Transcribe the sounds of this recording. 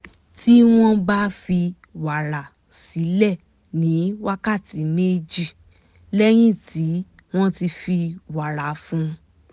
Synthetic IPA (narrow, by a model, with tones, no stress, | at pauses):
ti˦w̃ɔ̃˦ba˦fi˧ | wa˨ɾa˨ | si˨˦lɛ˦˨ | nĩ˨˦wa˦ka˦˨ti˨˦me˦d͡ʒi˦˨ | lɛ˦j̃ĩ˦˨tʰi˨˦w̃ɔ̃˦ti˧fi˧wa˨ɾa˨fũ˧